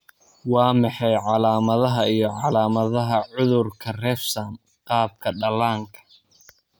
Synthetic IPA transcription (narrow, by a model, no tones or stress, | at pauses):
wɑːmɑħɑjʕɑlaːmɐðɐɦɐijɞʕɑlaːmɐðɐɦɐʕʊðʊrkʰɐrɛːfsam | qɑːb̚kʰɐɖɐlaːŋkʰɐ̥